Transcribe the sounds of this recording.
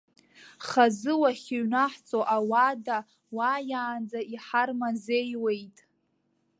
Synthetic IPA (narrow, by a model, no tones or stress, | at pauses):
χazɨwaχʲeɥnaħt͡sʼoʔawada | wajaːnd͡zaiħarmazejwe̞jtʼ